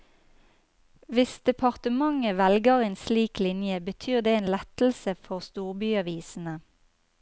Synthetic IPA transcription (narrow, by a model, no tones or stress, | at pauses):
ʋɪsd̪ɛpʰɑʁt̪əmɑŋəʋɛlɡəʁeːnsliːklɪnjəbət̪ʰyːʁd̪eːeːnlɛt̪l̩səfɔʁst̪uːʁbyːɑʋiːsn̩ə